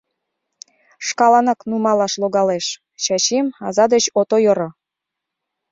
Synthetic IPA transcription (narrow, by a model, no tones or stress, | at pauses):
ʃkɑlɑnɑknumɑlɑʃloɣɑleʃ | ɕɑɕimɑzɑd̪et͡ɕot̪ojɤɾɤ̆